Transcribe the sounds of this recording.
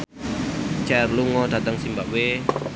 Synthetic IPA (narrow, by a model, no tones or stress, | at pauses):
t͡ʃɛrluŋɔd̥̪ä̤t̪əŋsimbaʔwe